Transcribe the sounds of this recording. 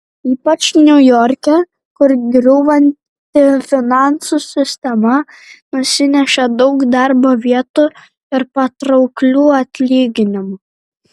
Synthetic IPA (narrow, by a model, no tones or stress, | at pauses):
iːpɐt͡ʃnʲʊjɔɾʲkʲɛ | kʊɾɡʲɾʲʊːʋɐnʲt̪ʲɪfʲɪnɑˑnsusʲɪsʲt̪ʲɛmɐ | nʊsʲɪnʲɛʃʲɛd̪ɒʊkd̪ɑɾboːʋʲiɛt̪u | ɪɾpɐt̪ɾɒʊklʲuːɐt̪ʲlʲiːɡʲɪnʲɪmʊ